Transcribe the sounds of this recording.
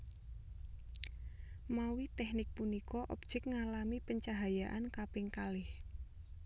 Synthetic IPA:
mawit̪ɛhnɪk̚punikɔʔɔp̚d͡ʒ̥ɛk̚ŋalamipəɲt͡ʃaɦajaʔankapɪŋkalɪh

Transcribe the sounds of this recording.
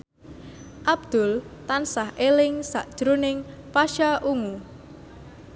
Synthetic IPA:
ʔab̚d̪̥ʊlt̪ansahʔelɪŋsaʔd̥ʒ̥ɾunɪŋpaʃaʔuŋu

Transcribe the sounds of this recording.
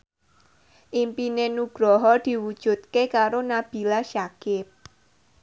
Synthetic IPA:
ʔimpinenuɡ̥ɾɔɦɔd̪̥i̤wud̥ʒ̥ṳt̪̚kekaɾonab̥i̤laʃakɪp̚

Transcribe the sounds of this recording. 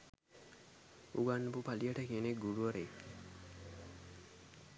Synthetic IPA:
uɡanːubupaliəʈəkineɡuɽuʋəɾe

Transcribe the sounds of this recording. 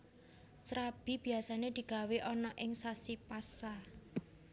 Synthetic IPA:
sɾab̥i̤b̥i̤asaned̪̥i̤ɡ̥a̤weʔɔnɔʔɪŋsasipasa

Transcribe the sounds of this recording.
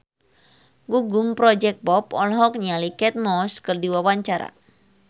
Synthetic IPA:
ɡuɡʊmpɾɔd͡ʒɛk̚bɔp̚ɔlɦɔk̚ɲalikɛt̪̚mɔskɨrdiwawaɲt͡ʃaɾa̰

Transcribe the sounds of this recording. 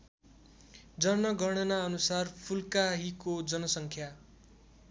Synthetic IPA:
d͡zʌrnʌɡʱʌɽ̃ʌnaʌnusarpʰulkaɦikod͡zʌnʌsʌŋkʰja

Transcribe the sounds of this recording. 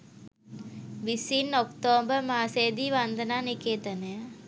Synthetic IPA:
ʋisinɔkt̪oːbɐmaːseːd̪iʋɐnd̪ɐnaːnikeːt̪ɐne

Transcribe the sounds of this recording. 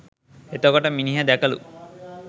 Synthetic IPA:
et̪oɡɔʈəminiɦad̪ækɐlṵ

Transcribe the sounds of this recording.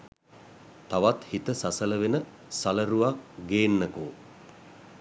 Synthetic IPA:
t̪aʋat̪hit̪əsasələʋenə | saləɾuʋak̚ɡeːnːəku

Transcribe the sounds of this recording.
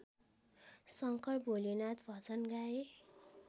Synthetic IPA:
sʌŋkʌrbolinat̪bʱʌt͡sʌnɡae

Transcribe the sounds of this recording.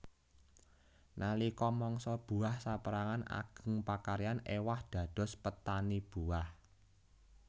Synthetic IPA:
nʔalikɔmɔŋsɔb̥ṳahsapəɾaŋana̰ɡ̥ə̤ŋpakaɾijanḛwahd̪̥ä̤d̪̥ɔ̤spət̪anib̥ṳah

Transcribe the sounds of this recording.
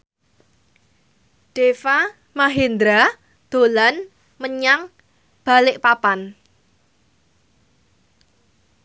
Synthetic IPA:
ɖ̥efa | maɦend̪ɾa | d̪̥o̤lan | məɲaŋ | b̥a̤lɪʔpapan

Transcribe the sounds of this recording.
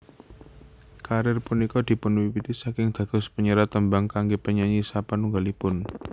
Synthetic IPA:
kaɾɪrpunikɔd̪̥i̤pʊnwipit̪isakɪŋd̪̥a̤ɡ̥ʊ̤spəɲəɾat̪əmbaŋkaŋɡepəɲaɲisapanuŋɡalipʊn

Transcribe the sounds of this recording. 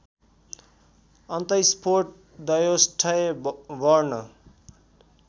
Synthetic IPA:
ʌnt̪ʌjspʰorʈ̚ | d̪ʌjosʈʰʌebʌrnʌ

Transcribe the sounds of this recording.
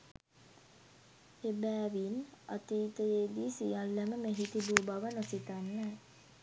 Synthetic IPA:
ebæːʋina̰t̪iːt̪əjeːd̪iːsijalːæməmeɦit̪ibuːbaʋənosit̪anːɛ

